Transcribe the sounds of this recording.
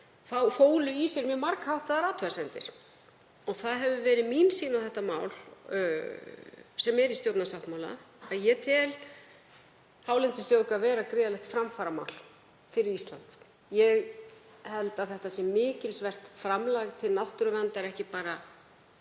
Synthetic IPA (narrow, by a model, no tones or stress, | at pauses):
θawfoːwlʏisɛɾmjœmaɾkhawht̪aðaɾaːt̪ʰœðasɛnt̪ɪ̰ɾ̥ | ɔɣθaðɦɛvʏvɛːɾɪðminsiːnaθɛht̪ama̰ːwl | sɛmɛɾist̪jowt̪nasawht̪mawla̰ | aðjɛt̪ʰɪl | haːwlɛnt̪ɪst̪jowkavɛːɾakɾɪːðalɛxt̪fɾamfaːɾama̰wl̥ | fɪɾɪɾist̪lant̪ | jɛɣ | hɛlt̪aðθɛht̪asɛmːɪːcɪlsvɛr̥t̪fɾamlaɣt̪ʰɪlnawt̪ʏɾʏvɛnt̪aɾɛhcɪpaːɾa